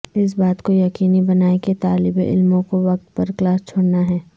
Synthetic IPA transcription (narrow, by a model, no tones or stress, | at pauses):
ɪs̬baːt̪kojɐkqiːnibɐnaːeket̪aːlɪbeʔɪ̰lmõkoʋɐk̚t̪pɐɾklaːst͡ʃʰoːɽnaɦɛː